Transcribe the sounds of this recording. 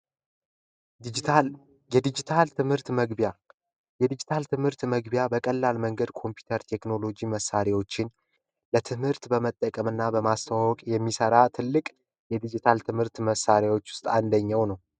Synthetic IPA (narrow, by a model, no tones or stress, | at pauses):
jɛd̪id͡ʒit̪ʰalt̪ʰɨmhɨɾt̪məɡbja | jɛd̪id͡ʒit̪ʰalt̪ɨmhɨɾt̪məɡbjabəkʼəlːalməŋɡəd̪kʰo̞mpʰu̥t̪ʰəɾt̪ʰe̞kno̞lo̞d͡ʒiməsːaɾewo̞t͡ʃːɪn | lət̪ʰɨmhɨɾt̪bəmət̪ʼːəkʼəmɨnːabəmast̪ʰawawɔkʼjɛmːisəɾat̪ʰɨlːɨkʼ | jɛd̪id͡ʒit̪ʰalt̪ʰɨmhɨɾt̪məsːaɾjawo̞t͡ʃːwʊ̥st̪ʼand̪əɲːawnəw